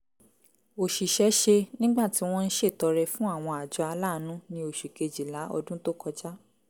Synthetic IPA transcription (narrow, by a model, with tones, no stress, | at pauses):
o˨ʃi˨ʃɛ˨˦ʃe˧nĩ˦ɡ͡ba˦˨ti˨˦w̃ɔ̃˦n̩˦ʃe˦˨tɔ˧ɾɛ˧fũ˦a˦˨w̃ɔ̃˧a˨d͡ʒɔ˧a˧la˦˨nũ˨˦nĩ˧o˨ʃu˨ke˨˧d͡ʒi˨la˨˦ɔ̰˧dũ˦to˦kɔ˧d͡ʒa˦